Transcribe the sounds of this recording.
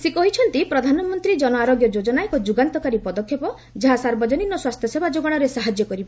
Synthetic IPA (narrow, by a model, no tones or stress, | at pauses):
sekɔɦit͡ʃʰɔnt̪ipɾɔd̪ʱanɔmɔnt̪ɾid͡ʒɔnɔaɾoɡjɔd͡ʒod͡ʒɔnajekɔd͡ʒuɡant̪ɔkaɾipɔd̪ɔkʰːjepɔ | d͡ʒaɦasaɾbɔd͡ʒɔninːɔswast̪ʰjɔsebʱad͡ʒoɡɔɽ̃ɔɾesaɦad͡ʒjɔkɔɾiba